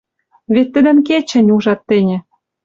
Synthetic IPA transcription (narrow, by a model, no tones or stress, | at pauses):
βet̪ːə̆d̪ə̆nket͡ɕɘ̆nʲuʒɑt̪ːenʲĕ